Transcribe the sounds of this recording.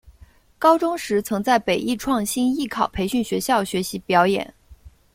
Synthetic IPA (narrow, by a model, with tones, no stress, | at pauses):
kɑ˥ʊʈ͡ʂʊ˥ŋʂɻ̩˧˥t͡sʰɤ˧˥ŋt͡sa˥˩ɪpe˨˩ɪʔi˥˧ʈ͡ʂʰwɑ˥˩ŋɕi˥ni˥˩kʰɑ˨˩ʊpʰe˧˥ɪɕy˥˩nɕɥɛ˧˥ɕjɑ˥˩ʊɕɥɛ˧˥ɕi˧˥pjɑ˧˥ʊjɛ̰˨˩˦n